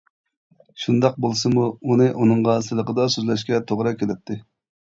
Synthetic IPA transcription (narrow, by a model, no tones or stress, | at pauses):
ʃund̪ɑq̚bolˠsɨmuunɨʔunɨŋʁɑsɨlˠəqəd̪ɑsøzlɛʃkʲɛt̪ʰoʁɾɑkʲʰelɪp̚t̪ʰːɪ